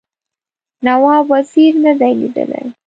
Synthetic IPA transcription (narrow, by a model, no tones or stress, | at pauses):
nawɑbwaziɾnəd̪ajlḭd̪ə̰la̰j